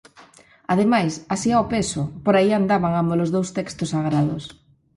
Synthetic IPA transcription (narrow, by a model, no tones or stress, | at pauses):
aðemajsasiaopesopoɾaiand̪aβaŋambolozðowst̪ekst̪osaɣ̞ɾaðos